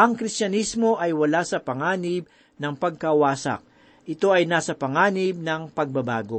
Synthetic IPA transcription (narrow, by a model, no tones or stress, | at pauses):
ʔɐŋkɾistɐnismo̞ʔɐjwɐlasɐpɐŋaːnɪb̚ | nɐŋpɐɡ̚kɐwaːsɐ̰k̚ | ʔɪt̪o̞ɐjnaːsɐpɐŋaːnɪb̚nɐŋpɐɡ̚bɐba̰ːɡo̞